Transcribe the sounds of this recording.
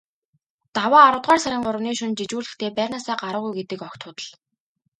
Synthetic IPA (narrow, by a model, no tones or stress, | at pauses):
t̪awaːɾʊ̆t̪ʁaːrsaɾʲɪ̆ŋɢʊɾə̆wniːʃʊnt͡ɕit͡ɕuːɮɘ̆xt̪ʰeːpærʲnaːsaːɢaɾʊːʁujɡet̪ɘ̆kɔkt̪ʰʊːt̪ə̆ɮ